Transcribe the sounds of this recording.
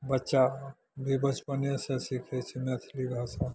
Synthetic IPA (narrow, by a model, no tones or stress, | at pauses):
bɐtːʃa | bʱibət͡ʃpənjəsẽsikʰɛt͡ʃʰimet̪ʰliɡʱasa